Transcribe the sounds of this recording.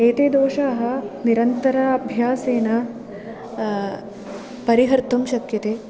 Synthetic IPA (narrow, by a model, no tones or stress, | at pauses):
eːt̪eːd̪oːʃaːɦɐ̆niɾɐnt̪ɐɾɐɐbʱjaːseːnɐ | pɐɾiɦɐɾt̪ɐmʃɐkjɐt̪eː